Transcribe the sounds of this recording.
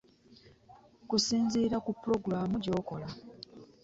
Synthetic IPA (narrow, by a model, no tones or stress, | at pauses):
kusiːnziːɾakupːɾo̞ɡɾaːmuɟo̞ːko̞la